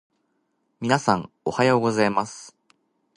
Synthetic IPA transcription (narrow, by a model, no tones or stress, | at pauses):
mʲinasãŋ | ohajoːɡo̞zaimasɨ̥